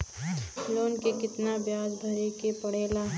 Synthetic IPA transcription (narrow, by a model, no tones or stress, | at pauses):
loːnkekɪt̪nabjaːd͡ʒbʱɐɾekepɐɽ̤eːlaː